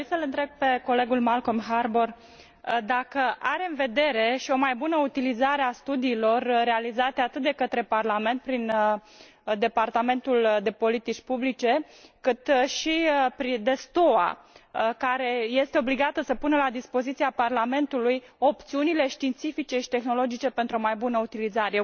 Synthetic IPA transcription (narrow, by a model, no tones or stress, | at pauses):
isəlɨnt̪ɾe̞ɡ̚pe̞ko̞le̞ɡulmalkomɦarbor | d̪akəʔaɾe̞ɨnve̞d̪e̞ɾe̞ʃio̞majbunəut̪ilizaɾeast̪ud̪iːlo̞rːe̞alizat̪eat̪ɨt̪̚d̪ekət̪ɾe̞parlame̞nt̪̚pɾin | d̪e̞part̪ame̞nt̪uld̪e̞po̞lit̪it͡ʃʲpublit͡ʃe̞ | kɨt̪ʃipɾid̪e̞st̪o̞a̰ | kaɾe̞je̞st̪eo̞bliɡat̪əsəpunəlad̪ispo̞zit̪siaparlame̞nt̪ulujo̞pt̪siunile̞ʃt̪iːnt̪sifit͡ʃe̞ʃi̥t̪e̞xno̞lo̞d͡ʒit͡ʃe̞pent̪ɾuo̞majbunəut̪ilizaɾe